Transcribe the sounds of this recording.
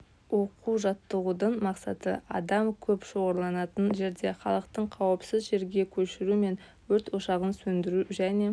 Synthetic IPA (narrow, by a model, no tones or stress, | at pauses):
wo̞quʒɑt̪ːəʁud̪əɴmɑqsɑ̰t̪əʔɑ̰d̪ɑmkʲʰɵpʃo̞ʁɑɾlˠɑnɑt̪ənʒe̞ɾd̪e̞χɑ̰lˠəqt̪əɴqʰɑwəpsɪzʒe̞ɾɡʲe̞kʲʰɵʃɪɾume̞n | wɵɾt̪woʃɑʁənsɵnd̪ɪɾuʒæne̞